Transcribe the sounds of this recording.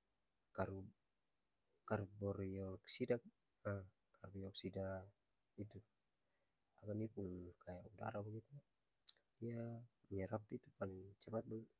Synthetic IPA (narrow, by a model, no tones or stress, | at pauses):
kaɾ | karbɔriɔksida | ə | karbiɔksida | it̪u | aɡanipunkʰajauda̰ɾabəɡit̪u | diaɲɛɾapit̪upaliŋt͡ʃəpat̪̚ban